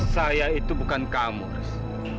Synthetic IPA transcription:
sajaitubukankamṵ

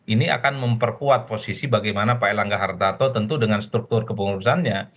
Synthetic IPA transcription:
ʔinia̰kanməmpərkuat̪̚posisibaɡajmanapajlaŋɡaɦart̪art̪ot̪ənt̪udəŋanst̪ɾuk̚t̪ʊrkəpəŋuɾusanɲa

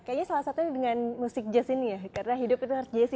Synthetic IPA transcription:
kajaɲasalasat̪udəŋanmusɪk̚d͡ʒasinijakaɾənaɦidʊpit̪uaɾs̚d͡ʒaas

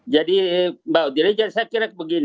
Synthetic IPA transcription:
d͡ʒadibawdiɾid͡ʒansajakiɾak̚bəɡin

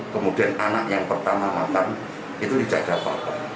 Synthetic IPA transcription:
kəmud̥iananaʔjaŋpərt̪amamat̪an | it̪udid͡ʒad̥apa̰kɔ

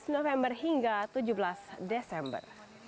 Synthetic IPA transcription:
snofɛmbərhiŋɡat̪ud͡ʒubəlasdɛsɛmbə̰r

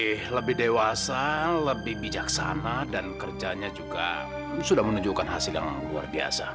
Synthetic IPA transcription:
ɛhləbɪhdewasaləbɪhbid͡ʒaksanadankərd͡ʒaɲad͡ʒuɡa | sudahmənuɲd͡ʒukanɦasilja̰ŋlua̰rbia̰sa̰

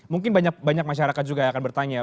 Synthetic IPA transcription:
muŋkɪnbaɲak̚baɲak̚maʃaɾakat̪̚d͡ʒuɡaːkanbərt̪aɲa

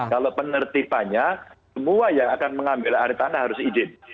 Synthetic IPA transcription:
kalopənərt̪ipaɲasəmuajaakanməŋambɪlaɾit̪anahɦaɾʊsid͡ʒɪp̚

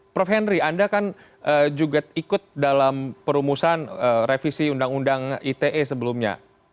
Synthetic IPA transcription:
pɾofɛnɾiandakan | ʔəːd͡ʒuɡaikʊt̪̚dalampəɾumusanərefisiundaŋundaŋit̪eʔesəbəlumɲa̰

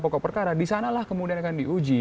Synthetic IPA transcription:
pɔkɔʔpərkaɾadisanalahkəmudianakandiud͡ʒi

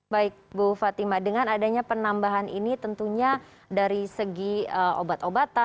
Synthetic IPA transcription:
baɪk̚bufat̪imadəŋanadaɲapənambaɦanḭnit̪ənt̪uɲa | daɾisəɡiəo̰bat̪obat̪a

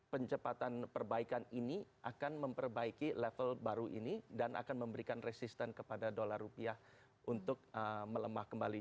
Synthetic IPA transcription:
pəɲt͡ʃəpat̪anpərbaikaniniʔakanməmpərbaikilɛfəlbaɾuʔḭnidanʔa̰kanməmbəɾikanresist̪ɛnkəpadadolarːupiah | ʔunt̪ʊk̚əmələmahkəmbali

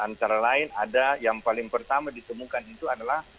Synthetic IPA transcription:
ant̪aɾalaɪnadajaŋpalɪŋpərt̪amadit̪əmukanit̪uadalah

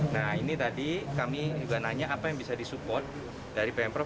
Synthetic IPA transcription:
nahinit̪adikamid͡ʒuɡanaɲaːpajaŋbisadisupɔrt̪̚ | daɾipɛmpɾɔ

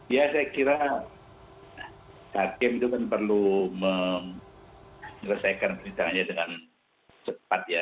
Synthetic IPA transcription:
jasajakiɾa | hakɪmit̪ukanpərlumə | ɾəsajkanpəint̪aŋanɲadəŋan | t͡ʃəpat̪̚ja

